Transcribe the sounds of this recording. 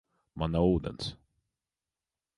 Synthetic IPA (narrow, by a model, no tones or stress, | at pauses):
manauːd̪ə̰ns